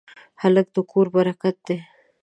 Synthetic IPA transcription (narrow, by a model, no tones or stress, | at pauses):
halək̚d̪əkoɾbaɾakat̪̚d̪e